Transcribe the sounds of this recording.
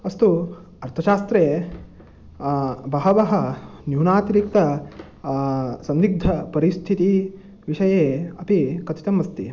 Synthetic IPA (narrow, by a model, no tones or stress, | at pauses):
ɐst̪u | ɐɾt̪ʰɐʃaːst̪ɾeː | bɐɦɐʋɐɦɐnjuːnaːt̪ɾik̚t̪ɐ | sɐnniɡ̚d̪ʱɐpɐɾist̪ʰit̪i | ʋiʃɐjeːɐpikɐt̪it̪ɐmɐst̪i